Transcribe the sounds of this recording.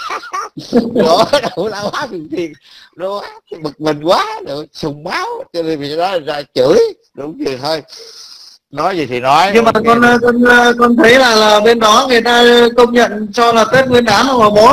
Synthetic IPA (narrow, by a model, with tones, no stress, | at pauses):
o˨˦ɗə˨˦laː˨˧˩wa˨˦˥tɨ˨˩t̪i˨˩ən | ɗo˨˦a˦˥ka˨˦mɨ˨˩k̚mi˨˩ŋkwaː˨˦ɗɨ˨˩t͡ɕʊ˨˩wŋ͡mɓaː˨˦wt͡ɕɔ˧ne˧nvi˨˩˨ɗɔ˨˦la˨˩zaː˧t͡ɕɨ˧˩˦j | ɗʊ˨˦ŋ͡mzi˨˩t̪ʰo˧j | nɔ˨˦jzi˨˩t̪ʰi˨˩nɔ˨˦jɲɨ˧maː˨˩kɔ˧n˧kɔ˧nː˧kɔ˧nt̪ʰə˨˦jlaː˨˩laː˨˩ɓe˧nɗɔ˨˦ŋɨ˨˩əjt̪aː˧kə˧wŋ͡mɲə̰˧˨nt͡ɕɔ˧laː˨˩t̪e˦˥t̚ŋwi˧ənɗaː˨˦na˧˩ma˨˩ɓo˨˦